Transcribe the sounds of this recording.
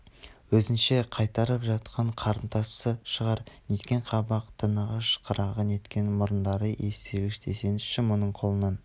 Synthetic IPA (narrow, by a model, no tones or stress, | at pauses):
wɵzɪnʃe̞qʰɑjt̪ɑɾəpʒɑt̪qʰɑɴqʰɑɾəmt̪ʰɑsəʃəʁɑɾnet̪kʲe̞ɴqʰɑbɑq̚t̪ʰənɑʁɑʃə̥qʰəɾɑʁəne̞t̪kʲe̞nmʊɾənd̪ɑɾəʔeseɡɪʃt̪ʰe̞se̞nɪʃɪmonəɴqʰo̞lˠənɑn